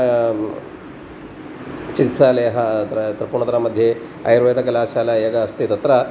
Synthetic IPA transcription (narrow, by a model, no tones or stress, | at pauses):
t͡ʃikit̪saːlejɐɦɐt̪ɾɐt̪ɾɐpuːɳɐt̪ɐɾɐmɐd̪ʱje | ɐ̰jɾʋɐːd̪ɐkɐlaːʃaːlaeːɡɐɐst̪it̪ɐt̪ɾɐ